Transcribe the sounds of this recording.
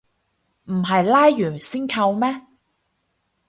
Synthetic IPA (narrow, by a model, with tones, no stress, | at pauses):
m̩˨˩ɦɐ˨jlaː˥jːyː˨˩nsiː˥nkʰɐ˧wmɛː˥